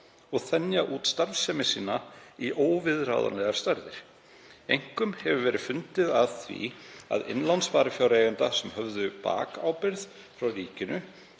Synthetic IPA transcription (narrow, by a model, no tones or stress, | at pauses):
ɔɣθɛnjaʔuːt̪st̪aɾvsɛmɪsiːnaiʔoːwvɪðra̰ːwða̰nlɛɣaɾ̥st̪aɾðɪɾ̥ | ejŋ̥kʏmhɛvʏvɛːɾɪfʏnt̪ɪðaðθvḭa̰ðɪ̰nlansvaːɾɪfjawɾejʏnt̪asɛmhœvðʏpa̰ːkawpɪɾθ | fɾawriːcɪnʏ